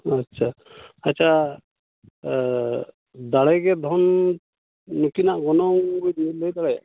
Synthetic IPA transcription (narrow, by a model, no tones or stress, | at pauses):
atːt͡ʃʰaatːt͡ʃʰa | d̪aɽajɡɛd̪ʱɔnː | ukinaʔɡɔnɔŋɡɔjd̪iləjd̪aɽaj̰